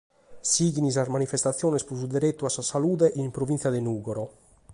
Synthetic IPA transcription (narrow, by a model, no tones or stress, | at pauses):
siɡinis̬azmanifɛst̪at̪sːjɔːnɛspus̬ud̪ɛɾet̪ːuasːasaluːd̪ɛʔimpɾovint̪sjad̪ɛnuːɡɔɾɔ